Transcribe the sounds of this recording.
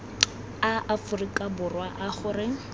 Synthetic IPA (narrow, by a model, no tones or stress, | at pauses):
aʔafʊrikʼabʊrwaʔaχʊrɪ